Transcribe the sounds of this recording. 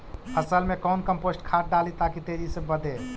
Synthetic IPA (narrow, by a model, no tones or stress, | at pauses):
əsəlmekəwnkəmposʈkʰaʈ̚ɖalit̪akit̪eɾisẽbəd̪ʱe